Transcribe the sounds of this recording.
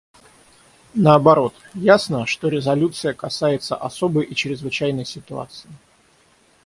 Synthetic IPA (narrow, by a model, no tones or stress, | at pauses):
nəɐbɐɾo̞t̪jasnəʂt̪o̞ɾʲɪzɐlʲut̪sɨjəkɐsajɪt̪səʔɐso̞bəjʔit͡ɕɾʲɪzvɨt͡ɕæjnəjsʲɪt̪ʊa̰t̪sɨɪ